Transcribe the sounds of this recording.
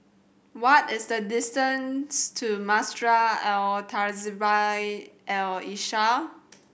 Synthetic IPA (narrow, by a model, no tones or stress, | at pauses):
wɔtɪsdədɪstə̃nstʰumastɹaɛltʰazibajʔɛliʃa